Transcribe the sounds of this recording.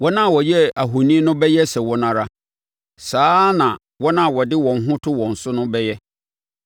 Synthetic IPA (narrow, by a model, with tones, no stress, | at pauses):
wɔ˦nã˦˨wɔ˨jɛ˦a˨ɦo˨nĩ˦nʊ̃˦bɛ˦jɛ˦sɛ˨wɔ˦nã˦˨ɾa˦ | saː˦nã˨ | wɔ˦nã˦˨wɔ˨dɪ˦wɔ̃˨n˦ɦʊ̃˦tʰʊ˦wɔ̃˨n̩˨sʊ˦nʊ̃˦bɛ˦jɛ˦